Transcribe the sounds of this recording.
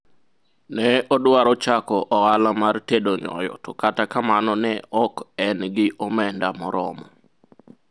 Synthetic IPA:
nɛɔdwaɾɔt͡ʃakɔʔɔɣalamartedoɲɔ̰jɔ̰tɔkatakamanɔnɛʔɔkɛnɡɪʔɔmɛndamɔɾɔmɔ

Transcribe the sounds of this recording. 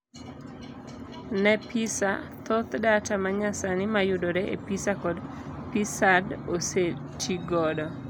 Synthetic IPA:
nɛpʰisa̰t̪ot̪datamaɲasanɪmajʊdoɾeḛpisakɔdpisadoset͡ʃiɡɔdɔ

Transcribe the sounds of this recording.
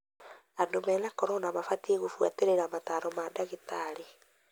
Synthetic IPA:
adomɛnakɔɾɔnamafateɣofwa̰teɾeɾamataɾɔmadaɣitaɾe

